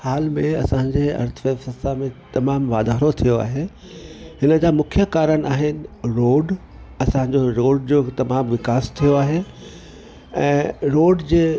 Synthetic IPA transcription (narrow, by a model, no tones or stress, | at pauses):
haːlmẽɐsãɲ̆d͡ʑeːɐ̰ɾt̪ʰəʋeːfɐsamẽt̪ɐmaːmʋaːd̪ʱaːɾot̪ʰijoa̰ːɦe | hɪnəd͡ʑaːmʊkʰjəkaːɾənɪaːɦɪnɪ̆ɾoːɖ | ɐsãɲ̆d͡ʑoɾoːɖd͡ʑoːt̪ɐmaːmʋɪkaːst̪ʰijoaːɦe | ɛ̃ːɾoːɖd͡ʑeː